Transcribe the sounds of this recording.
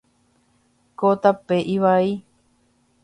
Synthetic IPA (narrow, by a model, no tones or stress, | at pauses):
kot̪apeʔiʋai